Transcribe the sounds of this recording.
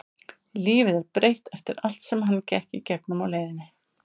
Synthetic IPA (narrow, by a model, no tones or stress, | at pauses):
liːvɪðɛɾpɾejht̪ɛft̪ɪɾal̥t̪sɛmɦanːcɛhcɪcɛk̚nʏmawleːjðɪnɪ